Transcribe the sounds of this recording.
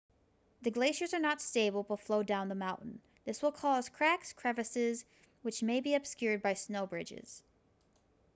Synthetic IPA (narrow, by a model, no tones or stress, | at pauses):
ðɨɡleɪʃə˞zə˞nətsteɪbl̩ˠbətfloʊdãʊ̃nðəmãʊ̃nʔn̩ | ðɪswəlˠkʰɔz̥kʰɹ̥ækskʰɹ̥ɛvɨsɪz | wɨt͡ʃmeɪbiɨb̥skjʊɹd̚baɪsnoʊbɹɪd͡ʒɪ̰z̥